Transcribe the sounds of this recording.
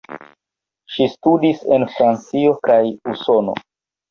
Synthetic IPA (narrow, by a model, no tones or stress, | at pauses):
ʃistudisenfɾant͡sio̞kajuso̞no̞̰